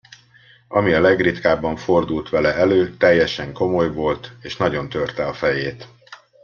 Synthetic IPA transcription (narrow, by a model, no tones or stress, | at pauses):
ɒmiɒlɛɡrit̪kaːbːɒɱfo̞rd̪ult̪ʋɛlɛɛløːt̪ɛjːɛʃɛŋko̞mo̞jʋo̞lt̪eːʃnɒɟo̞nt̪ø̞rt̪ɛɒfɛjeːt̪